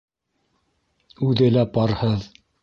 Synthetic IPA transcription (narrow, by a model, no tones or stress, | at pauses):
ʉðɘlæpɑɾhɤð